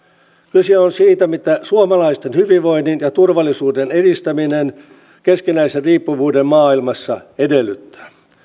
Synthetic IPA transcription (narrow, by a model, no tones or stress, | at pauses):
kyseonsiːt̪æmit̪æsuomɑlɑist̪enhyʋiʋʋo̞inːinjɑt̪urʋɑlːisuːdenedist̪æminen | keskinæiserriːpːuʋuːdemmɑːilmɑsːɑedelːyt̪ːæ̥ː